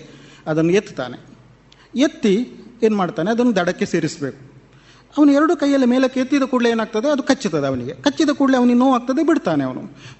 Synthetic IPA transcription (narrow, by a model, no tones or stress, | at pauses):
ɐd̪ɐnːujet̪ːi̥t̪a̰ːnḛ | et̪ːieːnmaːɖt̪aːneɐd̪ɐnːud̪ɐɽɐkːe̞se̞ːɾisbe̞ːku̥ | ɐʋɐnuɛɾɐɽuːkɐjːɐlːimeːlɐkːejet̪ːid̪ɐkuːɽleeːnaːɡ̚t̪ɐd̪eɐd̪ukɐt͡ʃːit̪ːɐd̪eɐʋɐniɡe̞kɐt͡ʃːid̪ɐkuːɽleɐʋɐniɡenoːʋaːɡ̚t̪ɐd̪ebiɽt̪aːneɐʋɐnṵ